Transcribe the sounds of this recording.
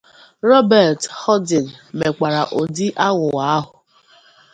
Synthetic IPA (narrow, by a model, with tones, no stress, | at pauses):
ɾɔ˦bɛ˨ɾthɔ˦dɪ˨nme˨kʷa˨ɾa˨ʔo˨di˦ʔa˦ŋʷʊ˨wa˨˦a˦ɦʊ˨